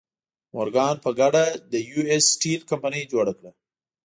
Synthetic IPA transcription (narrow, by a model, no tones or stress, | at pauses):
moɾɡɑnpəɡaɖad̪əjuesʈilkampanəjd͡ʒoɽakɽa